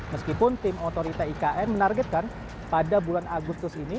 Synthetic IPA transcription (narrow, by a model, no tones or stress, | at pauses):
məskipʊnt̪ɪmot̪oɾit̪aikaʔɛnmənarɡɛt̪̚kan | padabulanaɡust̪ʊsini